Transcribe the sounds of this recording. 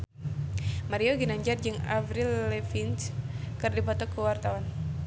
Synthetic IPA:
maɾioɡinaɲd͡ʒard͡ʒɨŋa̰vɾilːefint͡ʃkɨrdipɔt̪ɔkəwart̪awan

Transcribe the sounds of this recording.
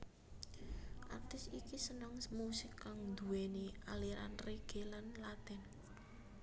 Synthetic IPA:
ʔa̰rt̪ɪsikisənɔŋmusɪkːaŋnd̪uwenialiɾa̰nreɡ̥e̤lanlat̪ɛn

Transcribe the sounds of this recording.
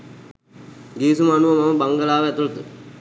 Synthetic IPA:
ɡiːsumaanuʋəmaməbaŋɡəlaːʋəæt̪ulət̪ə

